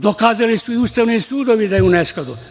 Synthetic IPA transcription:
d̪okaːzalisuiuːst̪aʋnisuːd̪oʋid̪ajɛunesklad̪u

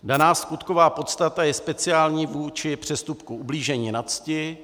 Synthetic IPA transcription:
danaːskut̪ko̞vaːpot̪st̪at̪ajɛspɛt͡sɪaːlɲiːvuːt͡ʃɪpr̝̥ɛst̪upkuʔubliːʒɛɲiːnat͡scɪ

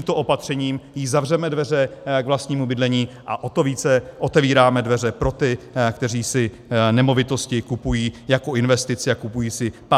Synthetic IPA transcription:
mt̪oʔo̞pat̪r̝̥ɛɲiːmjɪzavrɛmɛdvɛrɛɡvlast̪ɲiːmubɪdlɛɲiːʔaʔot̪oviːt͡sɛʔo̞t̪ɛviːɾaːmɛdvɛrɛpɾo̞t̪ɪkt̪ɛriːsɪ | nɛmo̞vɪt̪o̞scɪkupujiːjako̞ɪnvɛst̪ɪt͡sɪakupujiːsɪpa

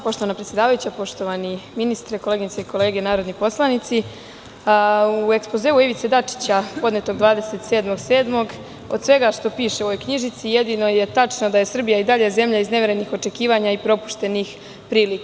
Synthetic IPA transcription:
po̞ʃt̪o̞ʋanapɾet̪sje̞d̪aːʋajut͡ɕapo̞ʃt̪o̞ʋaniminist̪ɾeko̞leɡinseiko̞le̞ːɡe̞naːɾo̞d̪nipo̞slˠanit̪si | ue̞kspozeːuiʋit̪se̞d̪at͡ʂi̥t͡ɕapo̞d̪net̪o̞ɡd̪ʋaːd̪e̞se̞t̪se̞ːd̪mo̞ɡse̞ːd̪mo̞ɡ | o̞d̪sʋeɡaʃt̪o̞piːʃeoojkɲiʒit̪sije̞d̪ino̞je̞t̪at͡ʂnod̪aje̞sr̩bijaid̪aʎe̞ze̞mʎaizneʋe̞ɾenixo̞t͡ʂe̞kiːʋaɲaipɾo̞pu̥ʃt̪e̞nix | pɾiːlik

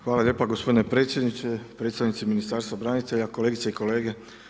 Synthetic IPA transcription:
xʋaːlalʲje̞ːpaɡospʰo̞d̪inepɾe̞ːt̪sʲje̞d̪nit͡ʃ̪epɾe̞ːt̪st̪aʋnit̪siminist̪aːɾst̪abɾanit̪e̞ʎako̞leɡit̪seiko̞le̞ːɡe̞

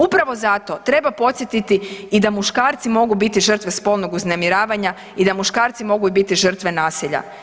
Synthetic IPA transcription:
upɾaʋo̞zat̪o̞t̪ɾe̞bapo̞t̪sjet̪it̪iid̪amuʃkaːɾt̪simo̞ɡubit̪iʒr̩t̪ʋe̞spo̞lnoɡuznemiɾaːʋaɲa | id̪amuʃkaːɾt̪simo̞ɡuibit̪iʒər̩t̪ʋe̞naːsiʎa̰

